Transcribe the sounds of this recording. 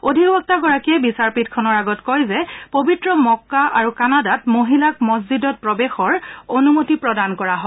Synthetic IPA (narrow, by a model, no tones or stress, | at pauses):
odʱiɡbɔk̚taɡɔɹakiɛbisaɹpitkʰɔnɔɹaɡɔtkɔjzɛpobitɹɔmɔkːaʔaɹukanadatmoɦilak̚mɔzzidɔt̚pɹɔbexɔɹonumotipɹɔdankɔɹaɦɔ